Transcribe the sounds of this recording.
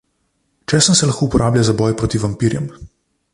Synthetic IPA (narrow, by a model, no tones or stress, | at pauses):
t͡ʃɛsənsɛlaxkoːupɔɾʔaːblʲjazabɔjpɾoːt̪iʋampiːɾjɛm